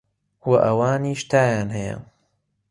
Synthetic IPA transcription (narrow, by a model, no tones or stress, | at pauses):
wɐʔɐwaːniːʃt̪ʰaːjaːnɦɐjɐ̰